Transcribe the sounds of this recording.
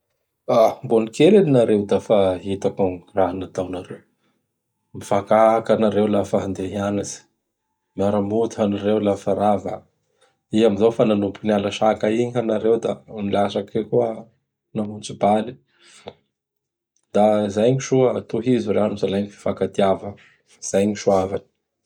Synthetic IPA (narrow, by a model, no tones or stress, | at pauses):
ambonikeleninaɾewd̪afaɦit̪akuŋraɦanat̪awnaɾew | mifakakanaɾewlafaɦand̪eɦianaz̥i̥ | mjaɾamut̪uanaɾewlafaɾava̰ | iɦamizofananupukinalaʃakaiɲanaɾewd̪amilaʃakekuə | namunt͡subali̥ | d̪̥azajɲiʃuət̪uɦizuranuzalajɲifi̥fakat̪iavə | faz̥ajɲiʃuavani̥